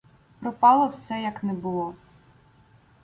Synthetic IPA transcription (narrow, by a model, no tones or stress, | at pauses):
pɾɔpɑlˠɔwsɛjɐknɛbʊlˠɔ